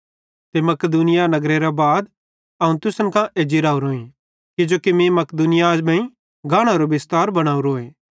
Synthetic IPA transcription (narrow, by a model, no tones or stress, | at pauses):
t̪emɐkd̪unɪjanɐɡɾeɾabaːd̪ | ɐũt̪ʊsənkãʔeːd͡ʒiɾaːuɾoːĩ | kɪd͡ʒoːkimĩmɐkd̪uːnɪjad͡ʒbãːĩ | ɡʱaːɽ̃aɾobɪst̪aːɾbɐɽ̃aːuɾoːeː